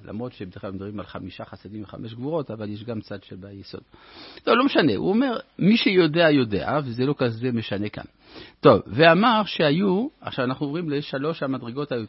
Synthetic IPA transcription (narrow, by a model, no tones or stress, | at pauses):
la̰mʁot̪ʃebed̪eχamd̪abʁimalχamiʃaχasidimveχa̰meʃ̬ɡvuʁo̞t̪avaljeʃ̬ɡamt͡sad̪ʃelbajeso̰d̥̪̚tovlo̞meʃane̞̰ʔṵome̞ʁmiʃejo̞deajo̞dea̰vezelo̞kazeme̞ʃane̞ka̰n | to̞vveamaʁʃehajuaχʃavanaχnuovʁimleʃalo̞ʃhamadʁeɡo̞thaju